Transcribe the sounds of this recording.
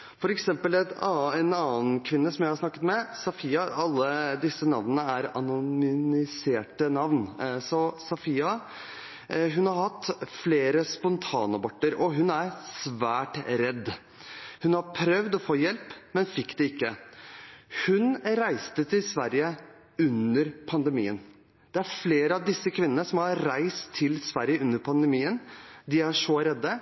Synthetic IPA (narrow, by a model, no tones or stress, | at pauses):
fɔɾɛksɛmpəlɛt̪ɛnɑːənkʰʋɪnːəsɔmjæɪhɑʂnɑkːət̪mɛsɑfiːɑɑlːəd̪ɪsːənɑʋnənəæɾɑnʊʏnɪseːʈənɑʋnsɔsɑfiːɑ | ɦʉnhɑɾhɑt̪ːfleːɾəspɔnt̪ʰɑːnɑbɑʈːəɾɔɦʉnæɾsʋæːʈɾɛd̪ | hʉnhɑɾpʰɾœʋd̪ɔfoːjɛlpmɛnfɪkːd̪ɛɪkːə | hʉnɾæɪst̪ət̪ʰɪlsʋæɾjə | ʉnəɾpʰɑnd̪əmḭːə̰n | d̪̥ɛæɾfleːɾəɑʋd̪ɪsːəkʰʋɪnːənəsɔmhɑɾɾæɪst̪ʰːɪlsʋæɾjəʉnːəɾpʰɑnd̪ɛmiːənd̪ɪæʂɔɾɛd̪ːə